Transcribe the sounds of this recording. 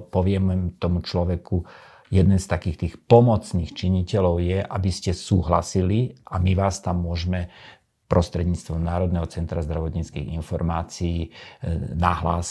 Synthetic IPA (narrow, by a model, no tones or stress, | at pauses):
pɔʋɪɛmmt̪ɔmut͡ʃlɔʋɛku | jɛd̪nɛnst̪akiːxt̪iːxpɔmɔt͡sniːxt͡ʃiɲicɛlɔʊjɛʔabiscɛsuːɦla̰siliʔamiʋaːst̪amːʊɔʒmɛ | pɾʔɔst̪ɾɛd̪ɲiːt͡st̪ʋɔmnaːɾɔd̪nɛɦɔt͡sɛnt̪ɾazd̪ɾaʋɔt̪ɲiːt͡skiːɣinfɔɾmaːt͡siː | naɦlaːs